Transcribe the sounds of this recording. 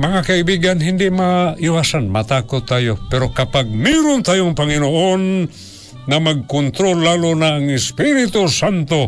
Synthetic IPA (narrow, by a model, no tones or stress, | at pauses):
mɐŋakaibiɡanɦɪnd̪ɪʔmaɪwasanmat̪akʊt̪ːajopɛɾokapaɡ̚miɾʊnt̪ajoŋpaŋɪnoʔon | ŋamaɡ̚kont̪ɾolːalonaaŋɪspiɾɪt̪osant̪o